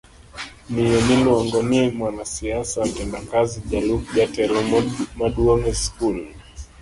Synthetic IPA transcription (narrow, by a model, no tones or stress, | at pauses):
nijɛniluaŋɡɔnimwanasiasamtɛndakaziʄalukʄatɛlmaɗuɔmɛskul